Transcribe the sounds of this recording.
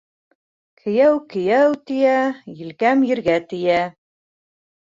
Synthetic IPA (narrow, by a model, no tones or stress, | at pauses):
kʰɘ̆jæwkɘ̆jæwt̪ɘ̆jæjɘ̆lkæmjɘ̆ɾɡæt̪ɘ̆jæ